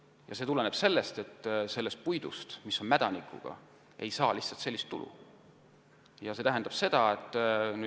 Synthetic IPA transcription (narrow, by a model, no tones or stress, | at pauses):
jɑ̰se̞ːt̪ule̞ne̞b̥se̞lːe̞st̪e̞t̪ːse̞lːest̪̚pujd̪ust̪miso̞nmæd̪̥ɑnikʰːˑṵɡ̥ɑ̰ | ʔe̞̰jsɑːliht̪sɑlt̪se̞lʲːist̪ːṵlṵ | jɑse̞t̪æɦænd̪̥ɑb̥se̞d̪̥ɑet̪ːˑny